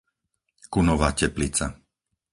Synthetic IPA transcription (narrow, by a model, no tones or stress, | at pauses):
kunɔʋaːcɛplit͡sa̰